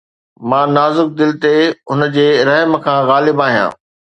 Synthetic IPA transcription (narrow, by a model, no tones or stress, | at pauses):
mãːnaːzʊk̚d̪ɪlt̪eʊn̆d͡ʑeːɾɐɦmkʰãːɣaːlɪbaːɦijã̰ː